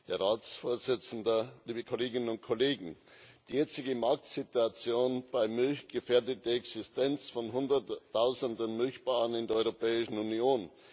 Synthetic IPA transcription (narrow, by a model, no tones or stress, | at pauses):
heːɐʁaːt͡sfoːɐzɪt͡sn̩dɐliːbəkʰoleːɡɪnənʊnt̚kʰoleːɡŋ̩d̥iːjɛt͡sɪɡəmaɐk̚tsɪtuat͡sjoːnb̥aɪmʏlçɡ̥əfɛːɐdətɐɛksɪstɛnt͡sfɔnɦʊndɐtʰːaʊzəndənmʏlçb̥aːʁənɪndɛɐɔʏʁopɛːɪʃn̩unioːn